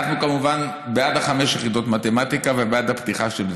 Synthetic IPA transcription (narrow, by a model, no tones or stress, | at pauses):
tnukamuvan | bead̪haχameʃjeχido̞tmatemat̪ikavebead̪apt̪iχaʃel